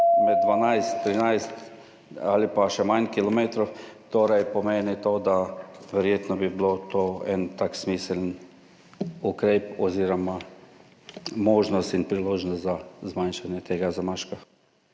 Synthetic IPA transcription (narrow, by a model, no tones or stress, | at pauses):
mɛd̪̚d̪ʋanajst̪ːɾinajst̪ | alipaʃɛmankilɔmeːt̪ɾɔwt̪oːɾajpɔmeːnit̪oːd̪aʋɛɾjeːt̪nɔbiblot̪oːɛnt̪aksmiːsɛln | ukɾeːpɔziːɾɔma | moːʒnɔst̪inpɾiloːʒnɔst̪zazmanʃanjɛt̪eːɡazamaʃka